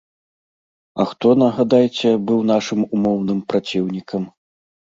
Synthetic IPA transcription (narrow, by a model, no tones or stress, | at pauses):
ɐ̰xt̪ɔnɐɣad̪ajt͡sʲɛbɨwnaʂɨmumɔwn̪ɨmpɾat͡sʲiwnʲikɐm